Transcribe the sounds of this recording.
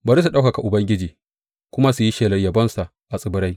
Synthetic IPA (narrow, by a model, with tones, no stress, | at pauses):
bɐ˨ɾi˦s̬u˨ɗa˦wka˨ka˨ʔʊ˨bɐ˦ŋɡʲɪ˦d͡ʒiː˨ | kʷʊ˦ma˦su˨ji˦ʃeː˨lɐ˨jɐ˨bɐ˦nsa˨ʔ | ʔa˨sʼɪ˨bʊ˦ɾa˦j